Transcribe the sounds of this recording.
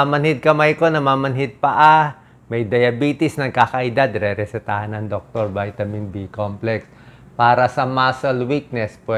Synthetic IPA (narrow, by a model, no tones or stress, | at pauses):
amɐnhɪd̪̚kɐmajko̞nɐmaːmɐnhɪd̪̚pɐʔa | mɐjd̪ɐjɐbiːt̪ɪsnɐɡ̚kakɐʔɪd̪ad̪ɾɛɾɛsɛt̪ahɐnɐŋd̪ok̚t̪oɾbajt̪ɐmɪnbikomplɛks | paːɾɐsɐmasɐlwik̚nɛspɛ